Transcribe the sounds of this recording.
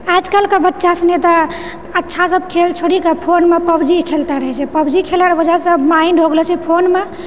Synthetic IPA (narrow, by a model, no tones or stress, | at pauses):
ad͡ʒkəlkebətːʃasənet̪ɔ | ətːʃʰasəbʱkʰelt͡ʃʰoɽikepʰonmepəbd͡ʒikʰelt̪aɾəɦɛt͡ʃʰɛpəbd͡ʒikʰelaɾbəd͡ʒasə̃mainɖʱoɡlɔt͡ʃʰɛpʰonme